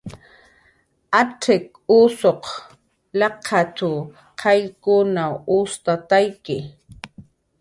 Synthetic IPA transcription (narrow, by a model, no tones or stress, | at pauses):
aʈ͡ʂɪk | ʊːsoq | lɑqʰɑt͡ʃa | qʰɑjkʊnaʊst̪at̪ajkɪ